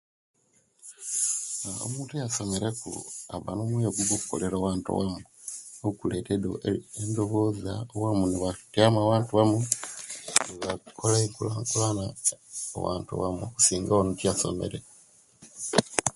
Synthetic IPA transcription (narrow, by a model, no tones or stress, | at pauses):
o̰muːntujaso̞me̞ɾekṵaβanomweɡuβoku̥ko̞̰leɾowaːntṵwamuu | oukuleteendoβoːzaowamuniβatiamaβaːntuβamu | niβakʰolaeŋkulaŋkulana̰ː | wa̰ːntṵwa̰muoku̥siːŋɡaonutijaso̰me̞̰ɾe